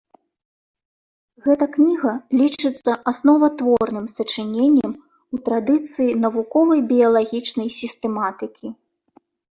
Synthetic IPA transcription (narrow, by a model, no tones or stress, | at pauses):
ɣɛt̪ɐknʲiɣɐlʲit͡ʂɨt̪sːɐʔasnɔvɐt̪vɔrnɨmsɐt͡ʂɨnʲenʲːɐm | ut̪ɾad̪ɨt̪sɨjinɐvukɔvɐjbʲijɐlˠaɣʲit͡ʂnɐjsʲist̪ɛmat̪ɨkʲʰi